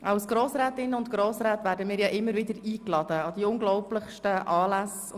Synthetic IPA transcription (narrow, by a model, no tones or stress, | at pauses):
ʔɑʊsɡ̥ɾoːsɾɛːt̪ɪnːəʊntɡ̥ɾoːsɾæːt̪væːɾdəmɪːɾjɑʔɪmːəɾvɪdəɾiːklɑd̪̥əɑd̥̪iʊŋɡlɔʊplɪχʃtəʔɑːlæs